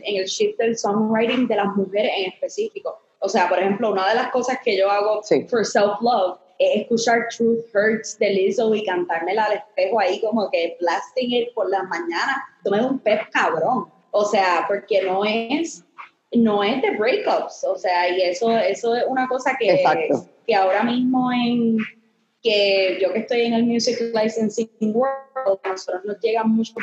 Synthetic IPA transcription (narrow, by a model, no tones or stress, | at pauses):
eŋe̞lʃif̚d̪elsõŋrajɾĩŋd̪e̞lazmuhe̞ɾeseŋe̞spe̞sifiko̞ | ose̞apoɾe̞hẽ̞mplounaðe̞lasko̞saske̞ʝo̞aɣo̞foɾselflɔv | eseskut͡ʃaɾt̪ɾuθhəɾt̪sd̪e̞lisowikant̪aɾme̞laːle̞spe̞hoaiko̞mo̞ke̞blast̪ĩŋet̪̚po̞ɾlamãɲãnat̪omeðumpep̚kaβɾõ̞ŋ | oseapo̞ɾke̞no̞es | no̞e̞zd̪e̞bɾejkopsoseaie̞so̞e̞so̞esunako̞sakeesakt̪ke̞ao̞ɾamizmo̞eŋ | ke̞ɟ͡ʝo̞ke̞st̪o̞jeŋelmjusiklajsensiŋwold̪̚nosot̪ɾoznozd͡ʒeɣamut͡ʃo